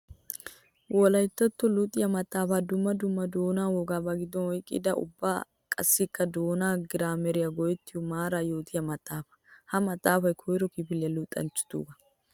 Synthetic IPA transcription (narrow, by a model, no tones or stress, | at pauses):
wʔɔlɐjt̪ːɐt̪ːɔlʊt̪ʼɪjɐmɐt̪ʼːaːfad̪ʊmːɐd̪ʊmːɐd̪oːnaːwɔɡaːbɐɡɪd̪ːɔnwɔjkʼɪ̰d̪ɐʔʊ̰bːaː | kʼɐ̰sːɪkːɐd̪oːnaːɡɪɾaːmɛɾɪjɐɡɔjɛt̪ːɪjʊmaːɾaːjo̞ːt̪ʰɪjɐmɐt̪ʼːaːfɐ̥hɐmɐt̪ʼːaːfɐjkʰɔjɾɔkɪpɪlɛjɐlʊt̪ʼːɐ̰nt͡ʃːʊ̥t̪ṵːɡɐ